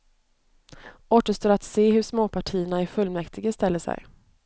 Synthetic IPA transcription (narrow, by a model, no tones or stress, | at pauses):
ʔoːʈ̪əʂt̪oːɾat̪seːɦɵʂmoːpʰaʈʰiːəɳaæfɵlːmɛkt̪ʰɪɡəst̪ɛlːəsɛ̰j